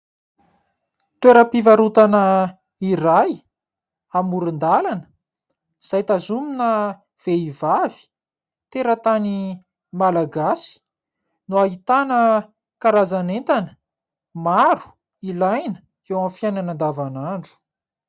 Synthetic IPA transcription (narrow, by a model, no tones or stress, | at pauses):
t̪weɾəpivaɾut̪anə | iraj | amuɾund̪alanə̥ | z̥ajt̪azuminə | v̥eivavi̥ | t̪eɾət̪ani | malaɡasi̥ | nuait̪anə | kaɾazanent̪anə̥ | maɾu̥ | ilajnə̥ | ewãfjajnanand̪avanaɳɖ͡ʐu̥